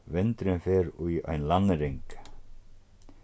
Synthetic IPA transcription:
vɪnt̪ɾɪnfɛːɾuja̰jnlanːɾeŋk

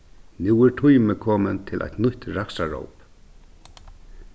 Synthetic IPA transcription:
nuwɛɹʈʰʊjməkʰɔːmənt̪ʰɪlʔɛ̰jt̪nʊht̪ɾaksaɹo̰wp

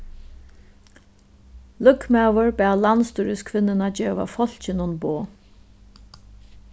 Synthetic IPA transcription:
lʊkːmɛvəɹbæːlanst̪uɹɪskʰvɪnːɪnad͡ʑeːʋa̰fɔl̥t͡ɕɪnʊnboː

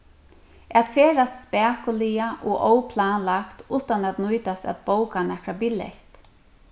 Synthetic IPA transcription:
at̪feːɹast̪spɛːkʊliaʔɔːʔowpʰlaːnlakt̪uːt̪anat̪nʊjt̪ast̪æ̰t̪̚bowkanɛkɾabɪlḛht̪

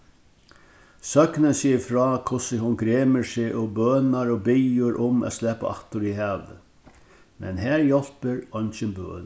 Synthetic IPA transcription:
sœknənsɪːfɾɑːkʰʊsəɦʊnɡɾeːməsɪʔobœːnaɾɔbɪjʊɾʔʊmæ̰slɛːpa̰aht̪ʊɾiɦɛːʋə̰ | mɛ̰nɦæːɹjɔl̥pəɾɔnt͡ʃɪnbø̰ː

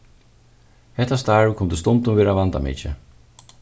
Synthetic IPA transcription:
hɛt̪ast̪aːɹʊkʰʊmt̪əst̪ʊnt̪ʊnʋeːɾaʋant̪a̰mɪ̰t͡ʃə̰

